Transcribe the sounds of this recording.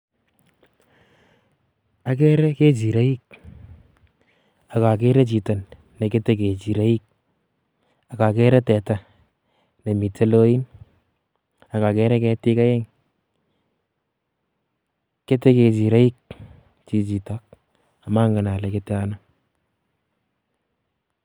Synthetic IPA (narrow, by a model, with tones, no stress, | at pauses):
a˨k̬ɛ˦ɾɛ˦ke˦t͡ʃi˨ɾa˦i˦k̚ | a˨ka˨kɛ˦ɾɛ˦t͡ʃi˨ta˨nː | ɛ˨ke˦tɛ˦ke˨t͡ʃi˨ɾa˦i˦k̚ | a˨ka˨kɛ˦ɾɛ˦tɛ˨ta˨ | ne˨mi˨te˦lo˦i˦n | a˨ka˨kɛ˦ɾɛ˦kɛ˦tɪ˦ka˦jɛ˦ŋ | ke˦tɛ˦ke˨t͡ʃi˨ɾa˦i˦k̚ | t͡ʃi˨t͡ʃi˨ta˦k̚ | a˨ma˦ŋɡa˨na˨lɛ˨ke˦tɛ˦a˦na˦